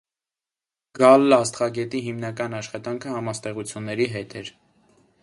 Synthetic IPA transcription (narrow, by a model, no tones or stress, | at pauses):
ɡ̥ɑlːɑst̪χɑɡɛt̪iɦimnɑkɑnɑʃχɑt̪ɑŋkʰəhɑmɑst̪ɛʁut͡sʰjunːɛɾiɦɛt̪ʰɛɾ